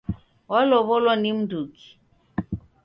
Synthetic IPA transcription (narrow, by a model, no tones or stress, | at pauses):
walɔβɔlwanim̩duki̥